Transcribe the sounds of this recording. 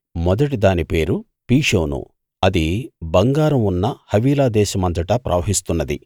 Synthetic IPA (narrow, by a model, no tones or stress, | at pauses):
mɔd̪ɐʈid̪aːnipe̞ːɾu | piːʂoːnṵ | ɐd̪ibɐŋɡaːɾɐmunːɐhɐʋiːlaːd̪ɛːʃɐmɐnt̪ɐʈɐpɾɐ̰ʋɐɦist̪unːɐd̪ḭ